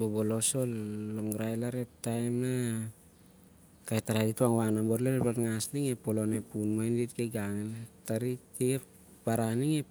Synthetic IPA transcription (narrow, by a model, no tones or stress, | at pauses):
boboloso̞lːoŋɡɾajlaɾe̞ttːajmna | kajtaɾajdituaŋwaŋnamboɾlaɾeplatŋasniŋepolo̞nepunmojnditkeɡaŋentaɾitiep | b̥aɾaniŋe